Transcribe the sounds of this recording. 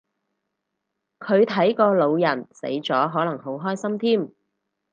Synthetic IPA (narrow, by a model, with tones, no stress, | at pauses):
kʰɵ˨˧ɥt̪ʰɐ˨˥jkɔː˧lo˨˧wjɐ˨˩nsḛ˨˥jt͡sɔː˨˥ɦɔː˨˥lɐ˨˩ŋɦo˨˥wɦɔː˥jsɐ˥mt̪ʰiː˥˩m